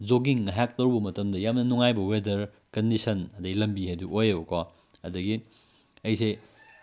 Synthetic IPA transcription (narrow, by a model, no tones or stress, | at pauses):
d͡ʒoɡiŋːɐɦak̚tɐwbɐmɐtɐmdɐjamnɐnuŋajbɐwedɐɾ | kɐndisɐnɐdɐɡilɐmbiɦejduojebɐka | ɐdɐɡi | ɐjse